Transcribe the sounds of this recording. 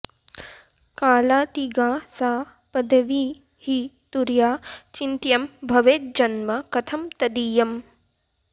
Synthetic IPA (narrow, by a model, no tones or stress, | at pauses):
kaːlaːt̪iɡaːsaː | pɐd̪ʱɐʋiː | hit̪uɾjaːt͡ʃint̪jɐmbʱɐʋeːt̪̚d͡ʒɐnmɐkɐt̪ʰɐmt̪ɐd̪iːjɐm